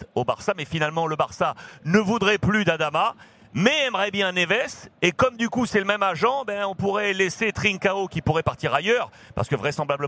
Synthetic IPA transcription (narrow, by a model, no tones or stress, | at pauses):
oba̰ʁsamɛfinalmɑ̃ləbaʁsanəvud̪ʁɛplyd̪ad̪ama | mɛɛmʁɛbjɛ̃nevɛsekɔmd̪ykusɛləmɛmaʒɑ̃ebɛ̃ɔ̃puʁɛleset̪χiŋkaokʲipuʁɛpaʁt̪iʁajœʁ | pa̰ʁsə̥kəvʁɛsɑ̃blablə